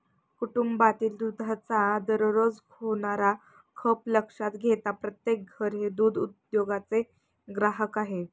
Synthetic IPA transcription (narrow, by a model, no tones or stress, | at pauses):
kuʈumbat̪iːld̪ud̪ʱat͡sad̪əɾɾod͡zkʰoɳ̃aɾa | kʰəpləkʂat̪ɡʱet̪apɾət̪jek̚ɡʱəɾɦed̪uːd̪ud̪joɡat͡se | ɡɾaɦəkaɦe